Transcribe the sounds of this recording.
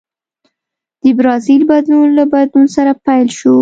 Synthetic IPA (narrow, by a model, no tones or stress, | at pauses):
d̪̥əbɾɑzilbad̪lunlabad̪lunsaɾapajlʃu